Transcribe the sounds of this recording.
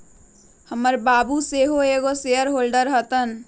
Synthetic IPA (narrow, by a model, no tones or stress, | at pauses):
həməɾbaːbuseɦoeːɡoseəɾɦoːlɖəɾɦət̪ən